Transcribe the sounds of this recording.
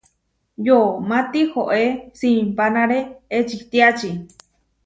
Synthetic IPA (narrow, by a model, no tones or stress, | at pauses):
jomãt̪ihoʔesĩmpanãɾeet͡ʃit̪iat͡ʃi